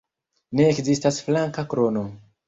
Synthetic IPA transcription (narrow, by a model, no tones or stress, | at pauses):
ne̞ːkzistasflaŋkakɾo̞no̞